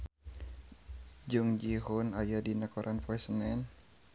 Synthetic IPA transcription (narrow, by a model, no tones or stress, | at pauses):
d͡ʒuŋd͡ʒiɦunajadinakɔɾʔanpɔɛsənɛn